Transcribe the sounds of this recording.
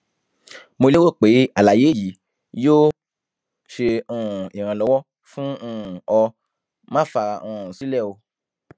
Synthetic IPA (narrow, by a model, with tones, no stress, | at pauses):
mo˧le˦wo˦˨k͡pe˨˦a˨la˨je˨˦˨ji˨˦ | joː˦ | ʃe˧ũ˦˨i˨ɾ̃ã˧lɔ˨˦wɔ˦ | fũ˦ũ˦˧˨ɔ˧ | mã˦fa˧ɔ̃˧˨ũ˨si˨˦lɛ˦˨o˧